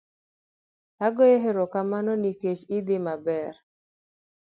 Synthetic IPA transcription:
aɡɔjeɦeɾokamanɔniket͡ʃɪd̪ɪmabɛr

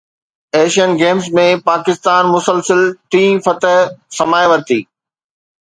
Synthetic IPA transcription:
eːʃiənɡeːmzmẽpaːkɪst̪aːnmʊsəlsəlt̪ʰĩːfɐt̪əɦsɐmaːjʋɐɾt̪iː

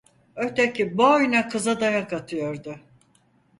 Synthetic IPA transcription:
øt̪ʰecibojnakʰɯzad̪ajakat̪ʰɯjoɾd̪ʊ

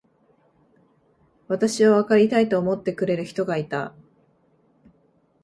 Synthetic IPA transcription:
βat̪aɕiβaβ̞akaɾʲit̪ait̪o̞ːmo̞t̪ːe̞kɯ̟ɾe̞ɾɯ̟çi̥t̪o̞ɡait̪a

